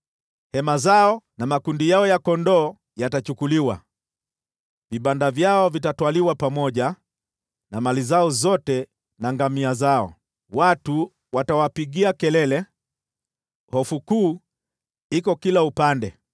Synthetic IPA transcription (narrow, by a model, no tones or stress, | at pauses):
hɛmazaɔnamakundijaɔjakɔndɔː | jatat͡ʃukuliwa̰ | viɓandavjaɔvitatwaliwapamɔʄa | namalizaɔzɔtɛ | naŋɡamiazaɔ̰ | watu | watawapiɠiakɛlɛlɛ | hɔfukuː | ikɔkilaupandɛ